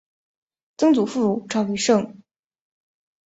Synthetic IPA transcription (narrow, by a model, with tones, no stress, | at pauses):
t͡sɤ˥ŋt͡su˨˩fu˥˩ɻu˨˩ʈ͡ʂɑ˥˩ʊy˧˥ʂɤ˥˩ŋ